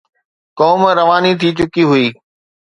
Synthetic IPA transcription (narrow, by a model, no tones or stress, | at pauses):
kɔːmɾɐʋaːnit̪ʰiːt͡ɕʊkiɦʊiː